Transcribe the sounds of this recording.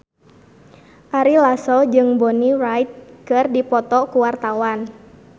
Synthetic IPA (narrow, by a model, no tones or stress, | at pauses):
ʔaɾilasɔd͡ʒɨŋbɔnirajt̪̚kɨrdipɔt̪ɔkuwart̪awan